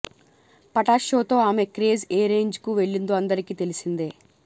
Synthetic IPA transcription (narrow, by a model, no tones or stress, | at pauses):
pɐʈaːʃo̞ːt̪o̞ːaːme̞kɾe̞ːzeːɾe̞ːɲd͡ʒkuʋe̞ɭːind̪oːɐnd̪ɐɾikiːt̪e̞lisind̪eː